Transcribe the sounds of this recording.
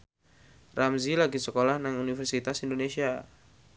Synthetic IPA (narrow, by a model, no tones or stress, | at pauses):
ramzilaɡisəkolahnaŋunifɛrsit̪asindonesia